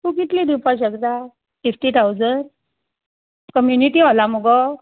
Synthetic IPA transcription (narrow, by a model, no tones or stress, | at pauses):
kuk̬it̪lid̪ipaɕəɡd̪a | fifʈit̪ʰawd͡zən | kəmjuniʈiɦolaməɡɔ